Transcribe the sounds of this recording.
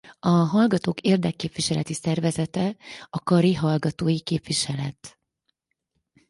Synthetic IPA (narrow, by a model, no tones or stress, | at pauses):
ɒɦɒlɡɒt̪oːkeːrd̪ɛkːeːpʋiʃɛlɛt̪isɛrvɛzɛt̪ɛɒkɒɾiɦɒlɡɒt̪oːjikeːpʋiʃɛlɛt̪